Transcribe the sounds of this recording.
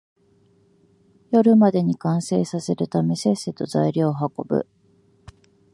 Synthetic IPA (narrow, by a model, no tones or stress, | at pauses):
jo̞ɾɯ̟mad̪e̞ɲ̟ikãɰ̃se̞ːsase̞ɾɯt̪ame̞se̞set̪o̞zaiɾʲo̞ːɦako̞bɯ̟̰